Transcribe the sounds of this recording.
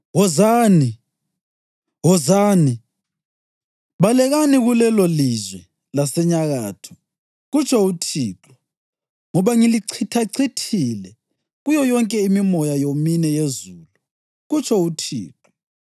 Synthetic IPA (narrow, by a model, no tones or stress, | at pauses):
wɔzaːni | ɣɔzaːni | βalɛɣaniɣulɛlolizwɛ | lasɛɲaɣaːtʰu̥ | ɣut͡ʃʰɔutʰiːǁɔ̥ | ŋɔβaŋiliǀʰitʰaǀitʰilɛ | ɣujɔjɔŋkʼɛimimɔjajominɛjezulu | ɣut͡ʃʰɔutʰḭːǁɔ